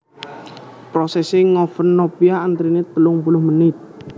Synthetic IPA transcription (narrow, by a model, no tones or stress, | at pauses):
pɾɔsɛsɪŋɔfənːɔpiaːnt̪ɾinet̪əlʊŋpulʊhmənɪt̪̚